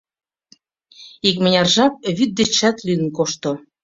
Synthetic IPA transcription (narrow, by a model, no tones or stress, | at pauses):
ikmɘ̆nʲɑrʒɑp̚βyt̪̚d̪et͡ɕːæt̪lyənkoʃt̪o